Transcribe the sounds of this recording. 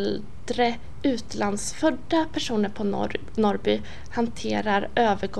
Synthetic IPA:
l | d̪̥ɾə | ʉ̟ːt̪land̪sfœɖːapʰæʂuːnəɾpʰɔ | nɔɾbyː | hant̪ʰeːɾaɾøːvəɡ

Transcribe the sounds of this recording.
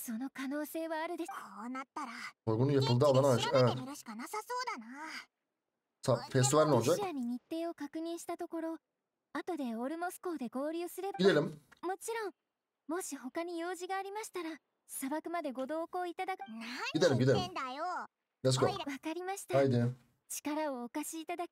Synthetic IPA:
so̞no̞kano̞ːse̞ːβaːɾɯ̟d̪e̞oːnat̪ːaɾaoɾɡonujapɯlˠd̪aːlˠːanaʃɛɾɯɕi̥kanasasoːd̪ana | safes̬t̪iβaɾʲinond͡ʒakaɲ̟iɲ̟it̪ːe̞ːo̞kakɯ̟ɲ̟ĩɰ̃ɕi̥t̪at̪o̞ko̞ɾo̞ | at̪o̞d̪e̞o̞ɾɯ̟mo̞sɨ̥ko̞ːd̪e̞ɡo̞ːɾʲɯːsɨɾe̞baɡid̪eɾɯmmo̞t͡ɕiɾõ̞ŋ | mo̞ɕiho̞kaɲ̟ijo̞ːʑiɡaːɾʲimaɕi̥t̪aɾa | sabakɯ̟mad̪e̞ɡo̞d̪o̞ːko̞ːit̪ad̪akɡʲid̪eɾɯmɡʲid̪eɾɯmnd̪ajo | jes̬koβakaɾʲimaɕi̥t̪aajd̪e | t͡ɕi̥kaɾao̞ːkaɕiːt̪ad̪akʲi̥

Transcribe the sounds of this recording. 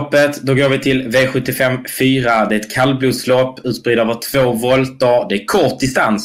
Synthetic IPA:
pːət̪d̪ɔɡoːɾvɪt̪ʰɪlveːɧɵt̪ːɪfɛmfyːɾad̪ɛɾɛt̪kʰalːbluːslɔpːʉ̟ːt̪sbɾid̪øːvəʈʰv̥oːvɔlt̪əɾd̪ɛækʰɔʈ̪̚d̪ɪst̪ans

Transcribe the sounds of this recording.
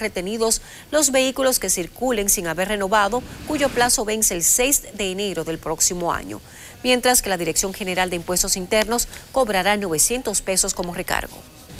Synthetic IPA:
re̞t̪e̞niðo̞s | lo̞zβe̞ikulo̞ske̞siɾkule̞ŋsiŋaβe̞ɾre̞no̞βaðo̞kuʝo̞plaso̞βe̞nseːlse̞jsd̪e̞ːne̞ɾo̞ðe̞lpɾo̞ksimo̞a̰ɲo̞̰ | mje̞nt̪ɾaske̞laðiɾeksjo̞ŋxe̞ne̞ɾald̪e̞impwe̞st̪o̞sint̪e̞ɾno̞sko̞βɾaɾanwo̞βe̞sje̞nt̪o̞spe̞so̞sko̞mo̞re̞ka̰ɾɣo̞̰

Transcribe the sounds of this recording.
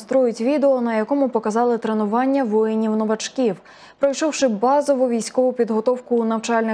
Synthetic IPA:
st̪ɾɔjʊtʲʋʲid̪eɔnɐjɐkɔmʊpɔkɐzɑlˠɪt̪ɾenʊʋɑnʲːɐʋɔjenʲiwnɔʋɐt͡ʃkʲiw | pɾɔjʃɔwʃɪbɑzɔʋʊʋʲijsʲkɔʋʊpʲid̪ɦɔt̪ɔwkʊːnɐwt͡ʃɑlʲnɪ

